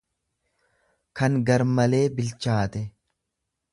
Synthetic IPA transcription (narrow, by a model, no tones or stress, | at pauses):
kɐŋɡɐɾmɐle̞ːbɪlt͡ʃaːt̪ɛ